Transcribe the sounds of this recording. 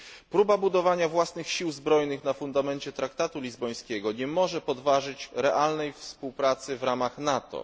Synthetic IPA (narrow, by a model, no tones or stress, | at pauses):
pɾubabud̪ɔvaɲavwasnɘxɕiwzbɾɔjnɘxnafund̪amɛnt͡ɕɛt̪ɾakt̪at̪ulʲizbɔj̃skʲɛɡɔɲɛmɔʐɛpɔd̪vaʐɘt͡ɕɾɛʔalnɛjfspuwpɾat̪sɘvɾamaxnat̪ɔ̰